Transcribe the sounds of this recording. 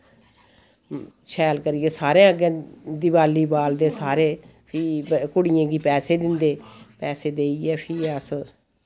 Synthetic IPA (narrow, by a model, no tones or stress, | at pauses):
ʃʰɛːlkəɾijeːsaːɾẽːəɡẽːd̪iʋaːliːbaːld̪eːsaːɾeːpʰiːkʊɽɪjãːɡiːpɛːseːd̪ɪnd̪eːpɛːseːd̪eːiɛːpʰiːəs